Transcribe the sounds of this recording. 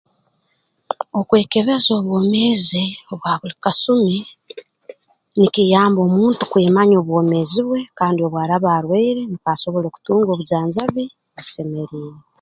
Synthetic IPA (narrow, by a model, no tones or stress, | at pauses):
o̞kwe̞ːke̞βe̞zo̞ːβwo̞ːmezioβwaːβulikasumi | nikijaːmbo̞ːmuːntu̥kweːmaɲo̞ːβwo̞ːme̞ziβwe̞kaːndio̞βwaːɾaβaːɾweiɾe̞nikaːso̞βo̞lo̞ku̥tuːŋɡo̞ːβuzaːnzaβi | βse̞me̞ɾiːɾe